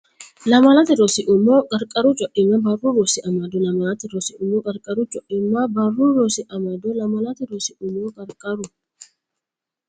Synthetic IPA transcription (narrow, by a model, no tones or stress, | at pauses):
lɐmɐlɐt̪ɪɾosɪʔʊmoːkʼɐɾkʼɐɾuːt͡ʃʼɔʔɪmːabɐrːuːɾɔsɪʔɐmɐd̪ɔlɐmɐlɐt̪ɪɾɔsɪʔʊmːokʼɐɾkʼɐɾuːt͡ʃʼɔʔɪmːabɐrːuːɾosɪʔɐmɐd̪ɔlɐmɐlɐt̪ɪɾɔsɪʊmoːkʼɐɾkʼɐɾʊ